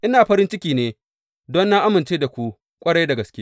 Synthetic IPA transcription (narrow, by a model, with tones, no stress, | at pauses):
ʔɪ˦naː˨ɸɐ˦ɾɪ˦nt͡ʃɪ˦kʲiː˨neː˦ | dɔ˦nːaː˦ʔa˦mɪ˨nt͡ʃeː˦da˨kʷu˦ | kʷʼɐ˦ɽɐ˦jda˨ɡɐ˨skʲeː˦